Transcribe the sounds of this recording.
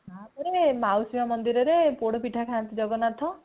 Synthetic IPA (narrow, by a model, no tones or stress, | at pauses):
ɦãpɔɾemawsimamɔnd̪iɾɔɾepoɽɔpiʈʰakʰant̪id͡ʒɔɡɔnat̪ʰɔ̃